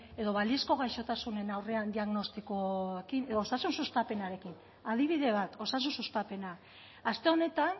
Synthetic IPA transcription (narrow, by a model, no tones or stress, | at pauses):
e̞ðo̞βalie̞sko̞ɣajʃo̞t̪asune̞nawre̞and̪iaɣno̞st̪ikoekineosasunsust̪ape̞naɾe̞kin | aðiβ̞iðe̞β̞at̪o̞sas̬unsust̪ape̞na | ast̪e̞o̞ne̞t̪an